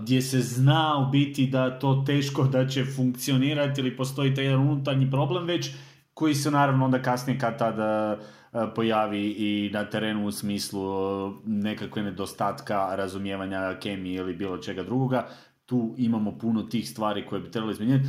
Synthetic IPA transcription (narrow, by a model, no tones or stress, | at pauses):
d̪ʲje̞se̞znaobit̪id̪aet̪o̞ːt̪e̞ːʃko̞d̪at͡ɕe̞fuŋkt̪sio̞niːɾat̪ilipo̞st̪o̞it̪ajed̪anunut̪aɾɲipɾo̞ble̞mʋe̞t͡ɕ | ko̞jise̞naːɾaʋnoo̞nd̪akasnije̞kad̪̚t̪ad̪ | po̞jaːʋiːnat̪e̞ɾe̞ːnuːsmiːslˠu | ne̞kakʋeɡne̞d̪ost̪aːt̪kaɾazumje̞ːʋaɲake̞mijeilibiːlˠo̞t͡ʃe̞ɡad̪ɾuɡo̞ɡa | t̪uːimamo̞puno̞t̪iːxst̪ʋaːɾiko̞jebit̪ɾe̞baloimeɲeat̪